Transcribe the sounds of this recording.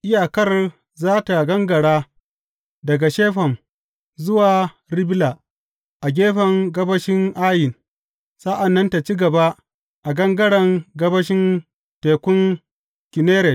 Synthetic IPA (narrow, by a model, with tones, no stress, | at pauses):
ʔɪ˦jaː˨kɐ˦r | zaː˦ta˨ɡɐ˦ŋɡɐ˨ɽaː˦ | dɐ˨ɡa˨ʃeː˦ɸɐ˨m | zʊ˦waː˨ | ɾɪ˦bla˨ | ʔa˨ɡʲeː˦ɸɐ˨ŋɡɐ˦bɐ˦ʃɪ˦ŋʔaː˦jɪ˨n | sa˦ʔa˨nːɐ˦nta˨t͡ʃi˦ɡɐ˨ba˦ | ʔa˨ɡɐ˦ŋɡɐ˦ɽɐ˨ŋɡɐ˦bɐ˦ʃɪ˦n | teː˨kʷʊ˦ŋ | kʲɪ˨neː˦ɾɛ˨t